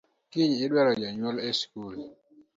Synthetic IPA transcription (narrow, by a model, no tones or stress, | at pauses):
kɪɲɪɗwɛɾɔd͡ʒaɲwɔlɛskul